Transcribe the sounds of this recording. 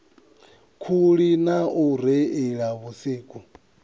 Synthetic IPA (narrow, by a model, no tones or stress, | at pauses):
kʰuɺinauɾɛiɺaβusiːkʼu